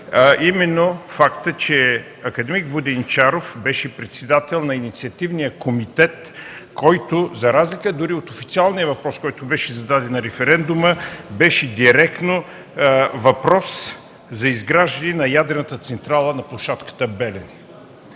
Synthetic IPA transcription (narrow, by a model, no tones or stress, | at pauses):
imɛnːofakt̪ət͡ʃɛ | ɐkɐd̪ɛmikvod̪ɛnt͡ʃaɾofbɛʃɛpɾɛt̪sɛd̪at̪ɛlˠnɐinit̪siɐt̪ivnijəkomit̪ɛt̪ | kɔjt̪ʊzɐɾazlikəd̪ʊɾiot̪ofit̪sialˠnijəvɐpɾɔskɔjt̪ʊbɛʃɛzɐd̪ad̪ɛnːɐɾɛfɛɾɛnd̪uməbɛʃɛd̪iɾɛkt̪no | vɐpɾɔs | zɐizɡɾaʒd̪ɐnɛnɐjad̪ɾɛnət̪ət̪sɛnt̪ɾalˠənɐplˠʊʃat̪kə̥t̪əbɛlɛn